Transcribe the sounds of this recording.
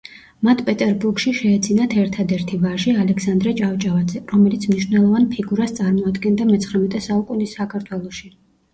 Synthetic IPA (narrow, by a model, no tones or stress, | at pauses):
mat̪ʰpʼɛt̪ʼɛɾbuɾɡʃiʃɛːd̪zinat̪ʰɛɾt̪ʰad̪ɛɾt̪ʰivaʒialɛksand̪ɾɛt͡ʃʼavt͡ʃʼavad̪zɛɾɔmɛlit̪sʰmniʃwnɛlˠɔvanpʰiɡuɾast̪sʼaɾmɔad̪ɡɛnd̪amɛt̪sχɾɛmɛt̪ʼɛsaukʼunisːakʰaɾt̪ʰwɛlˠɔʃi